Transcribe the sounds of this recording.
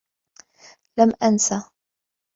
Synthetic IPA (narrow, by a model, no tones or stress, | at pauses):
lamʔansa